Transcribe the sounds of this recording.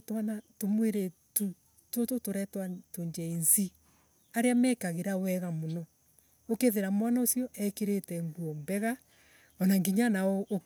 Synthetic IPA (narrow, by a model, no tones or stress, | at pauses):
twanatomweɾetu | tototoɾɛtwatoɲd͡ʒɛinzi | aɾeamɛkaɣeɾawɛɣamonɔ | okeðeɾamwanaosjɔʔɛkeɾetɛŋɡuɔmbɛɣa | ɔnaŋɡiɲanaɔ